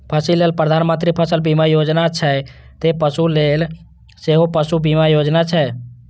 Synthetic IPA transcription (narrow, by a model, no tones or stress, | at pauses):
pʰəsileːlpɾəd̪ʱaːnmə̃nt̪ɾipʰəsəlbimajoːd͡ʒnat͡ʃʰɛ | t̪epəsuleːl | seɦopəsubimajod͡ʒnat͡ʃʰɛ